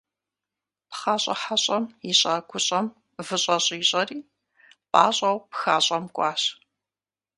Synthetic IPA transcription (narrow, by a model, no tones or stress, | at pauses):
pχaːɕʼɐ̰ħaɕʼɐmiɕʼaːkʷʰʊɕʼɐm | vɨɕʼɐɕʼiːɕʼɐriː | pʼa̰ːɕʼɐwpxaːɕʼɐmkʷʼɑːɕ